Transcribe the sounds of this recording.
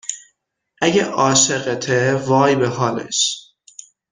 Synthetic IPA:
ʔæɟeʔɒːʃeɣet̪ʰevɒːjbeɦɒːlḛʃ

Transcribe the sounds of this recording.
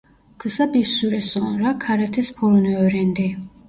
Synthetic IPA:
kʰəsabisuɾɛsɔ̃ɾakʰaɾɛt̪ʰɛspʰɔlnɛːɾɛnd̪ɛ

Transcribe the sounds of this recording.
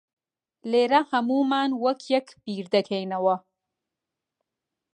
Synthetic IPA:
leːɾɐhɐmuːmaːnwɐkʰjɛkb̥iːɾd̪ɐkʰejnɐwɐ

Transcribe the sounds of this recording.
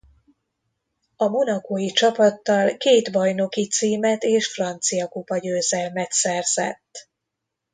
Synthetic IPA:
ɒmo̞nɒkoːjit͡ʃɒpɒt̪ːɒlkeːd̪bɒjno̞kit̪siːmɛt̪eːʃfrɒnt̪sijɒkupɒɟøːzɛlmɛt̪sɛrz̥ɛ̰t̪ː

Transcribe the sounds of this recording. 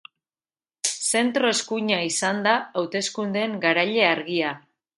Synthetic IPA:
se̞nt̪ɾo̞e̞skuɲaisand̪aawt̪e̞skund̪e̞ŋɡaɾaʎe̞aɾɣia

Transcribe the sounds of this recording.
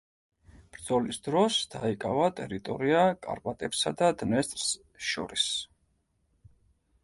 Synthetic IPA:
b̥ɾd̪zɔlisd̪ɾɔsd̪̥aikʼavat̪ʼɛɾit̪ʼɔ̰ɾiakʼa̰ɾpʼat̪ʼɛbsad̪ad̪nɛst̪ʼɾs | ʃɔ̰ɾis

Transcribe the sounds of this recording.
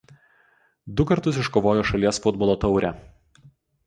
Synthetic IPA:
d̪ʊkɐɾt̪ʊs̬ɪʃkoːʋoːjoːʃɐlʲiɛsfʊd̪bɔːlˠoːt̪ɒʊɾʲɛ

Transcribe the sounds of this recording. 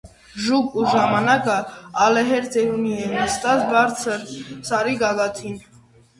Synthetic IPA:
ʒukuʒɑmɑnɑkəɑlɛɦɛɾt͡sɛɾuniɛnəst̪ɑt͡sʰbɑɾt͡sʰəɾsɑɾiɡɑɡɑt̪ʰin

